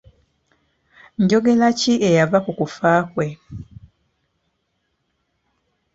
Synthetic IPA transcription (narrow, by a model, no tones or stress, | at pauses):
ɲɟo̞ɡe̞laciejavakukufaːkwe̞